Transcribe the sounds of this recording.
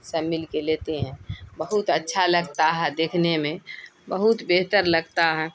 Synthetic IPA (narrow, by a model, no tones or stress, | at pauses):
səmilkelet̪eɦɛ̃bəɦut̪ətːʃʰaləɡt̪aɦɛd̪eːkʰnemẽbəɦut̪beɦt̪əɾləɡt̪aɦɛ